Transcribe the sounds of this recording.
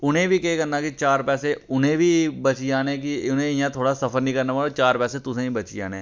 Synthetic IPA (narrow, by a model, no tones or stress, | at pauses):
ʊnɦẽbʱikeekɐɾnakit͡ʃaːɾpɛːseʊnɦẽbʱibɐt͡ʃiaːnek̬iʊnẽɪjãt̪ʰoːɽasɐfəɾnĩkɐɾnapaːlot͡ʃaːɾpɛːset̪ʊsẽĩbɐt͡ʃḭa̰ːnẽ